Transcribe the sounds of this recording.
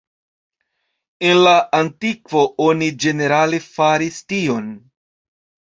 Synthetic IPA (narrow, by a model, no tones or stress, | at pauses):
e̞nlaʔantikvo̞ʔonid͡ʒe̞ne̞ɾalefaɾistio̞n